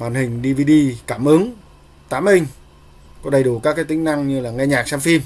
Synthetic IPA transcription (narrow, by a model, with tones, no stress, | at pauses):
ɓaː˧˩nhï˨˩ŋ̟ɗi˧vi˧ɗi˧kaː˧˩mʔɨ˨˦əŋ | t̪a̰ː˧˥˩mʔï˧ŋ̟ | kɔ˨˦ɗə˨˩jɗu˧˩kaː˦˥kːaː˨˦jt̪ï˨˦ŋ̟na˧ŋɲɨ˧laː˨˩ŋɛ˧ɲaː˨˩k̚saː˧mfi˧m